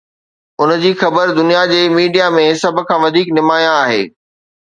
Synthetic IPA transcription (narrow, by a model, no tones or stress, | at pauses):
ʊnd͡ʑiːxɐbəɾd̪ʊnijad͡ʑeːmiːɖijamẽsɐb̆ʱkʰãːʋɐd̪ʱiːknɪmaːjãaːɦḛː